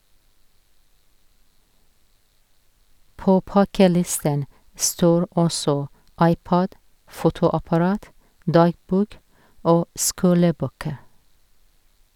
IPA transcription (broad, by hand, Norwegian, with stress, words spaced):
ˈpoː ˈpɑkəˌlɪstən ˈstoːɹ ˈɔsɔ ˈɑɪˌpɑɟ ˈfuːtʊɑpɑˌɹɑːt ˈdɑːɡbuːk ˈoː ˈskuːləˌbøːkə